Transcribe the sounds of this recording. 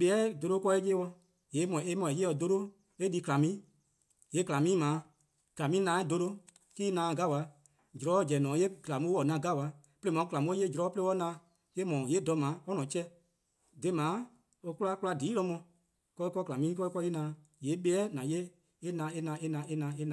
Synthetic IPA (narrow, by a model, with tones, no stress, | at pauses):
ɓɛ˧˦ɛ˦do˧ɾoː˧˦kɔ˧˦e˦jeː˦wɔ˧ | jeː˨˦mɔ̃˨e˦mɔ̃˧˨e˨jeː˦ɔ˧do˧ɾo˦ | e˦di˧˦kla˨mĩː˦ | je˨˦kla˨mĩː˦mãː˨˦ | kla˨mĩː˦nãː˨˦e˦do˧ɾo˦ | kiː˦nãː˨˦˨ɡa˦˨wa˧˦ | d͡ʒu˨ɾɔ˨˦d͡ʒɛ˨nɔ̃ː˨˦je˦kla˨mu˦wɔ˨nã˧˨ɡa˦˨wa˧˦ | pe˦le˧˦mɔ̃˨˦kla˨mũ˦o˦je˦d͡ʒɾɔː˨˦pe˧˦wɔ˦nãː˧˦ | ke˦mɔ̃ː˨je˨˦dɔ˧˦mãː˨˦ɔ˦nɔ̃˨˦t͡ʃɛ˦ | de˧˦mãː˨˦ | o˧ku˦la˦ku˦la˧diː˨˦lɔ̃˧˦mɔ̃˧ | kɔ˧i˦kɔ˧˦kla˨mĩː˦kɔ˦i˦kɔ˧˦je˦nãː˨˦ | jeː˨˦ɓɛ˦ɛ˦nã˨je˦ | e˦nã˧˦e˦nã˧˦e˦nã˨˧˦e˦nã˧˦e˦nã˨